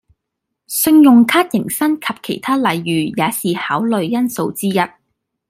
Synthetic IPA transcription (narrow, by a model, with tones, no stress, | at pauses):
sɵ˧ŋjʊ˨ŋkʰaː˥t̚jɪ˨˩ŋsɐ˥nkʰɐ˨p̚kʰe˨˩jt̪ʰaː˥lɐ˨jːyː˨˩jaː˨˧siː˨haː˨˥wlɵ˨ɥjɐ˥nso˧wt͡siː˥jɐ˥t̚